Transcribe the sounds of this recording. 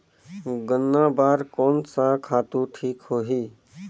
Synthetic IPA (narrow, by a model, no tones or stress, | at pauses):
ɡənːãːbaːɾkoːnsakʰaːt̪ũʈʰiːkhoːɦiː